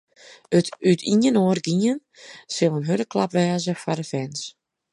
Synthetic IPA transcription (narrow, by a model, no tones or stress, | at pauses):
ətytʰiənoərɡiən | sɪlˠənɦøɾəklapʋɛːzəfadəfɛns